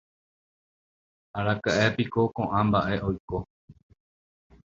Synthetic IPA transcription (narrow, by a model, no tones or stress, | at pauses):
aɾakaʔepiko̞kõʔãmbaʔe̞ʔojko̞